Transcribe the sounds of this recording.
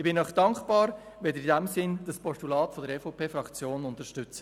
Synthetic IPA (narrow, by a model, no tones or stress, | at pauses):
ɪbɪnːɔχd̥ɑŋkb̥ɑːɾ | ʋɛldəidɛmsɪnd̥ɑspɔstulɑːtfodəɾɛfɔpʰeːfɾɑkt͡sjoːnʊntəɾʃtʏt͡sə̥